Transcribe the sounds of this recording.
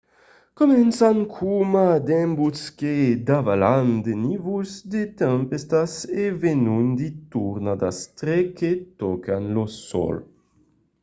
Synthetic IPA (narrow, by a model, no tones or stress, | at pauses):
komɛnsaŋkʰumad̪ɛmbusked̪avaland̪enivuzd̪et̪ɛmpest̪asevenund̪it̪uɾnad̪ast̪ɾeket̪okanlosɔ̰l